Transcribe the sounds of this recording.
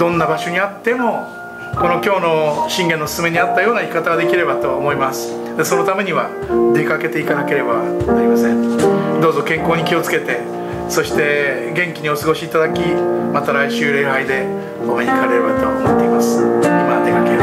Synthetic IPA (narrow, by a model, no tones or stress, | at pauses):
d̪õ̞nːabaɕo̞ɲ̟iat̪ːe̞mo̞ | ko̞no̞kʲo̞ːno̞ɕĩŋɡẽ̞nːo̞sɨ̥sɨme̞ɲ̟iat̪ːajo̞ːnaikat̪aɡad̪e̞kʲiɾe̞bat̪o̞ːmo̞imasɨ̥ | d̪e̞so̞no̞t̪ame̞ɲ̟iβa | d̪e̞kake̞t̪e̞it̪anake̞ɾe̞banaɾʲimasẽ̞nd̪o̞ːzo̞kẽ̞ŋkoːɲ̟ikʲio̞t͡sɨ̥ke̞t̪e̞ | so̞ɕi̥t̪e̞ | ɡẽ̞ŋkʲiɲ̟io̞sɨɡo̞ɕiːt̪ad̪akʲimat̪aɾaiɕɨːɾe̞ːɦaid̪e̞ | ɡomeɲikaɾeɾebat̪oomot̪ːe̞imasɨ̥mad̪e̞kake